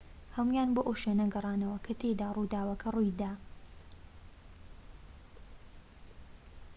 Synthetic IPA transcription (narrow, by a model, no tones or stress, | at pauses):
hɐmujaːnboːʔoʃenɐɡɐrˤɑːnɐwɐkʰɐt̪ʰed̪aːrud̪aːwɐkʰɐrujd̪aː